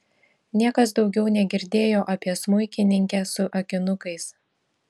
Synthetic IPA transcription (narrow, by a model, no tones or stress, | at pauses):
nʲiɛkɐsd̪ɒʊɡʲɛʊnʲɛɡʲɪɾʲd̪ʲeːjoːʔɐpʲiɛsmʊɪkʲɪnʲɪŋʲkʲɛsʊʔɐkʲɪnʊkɐɪs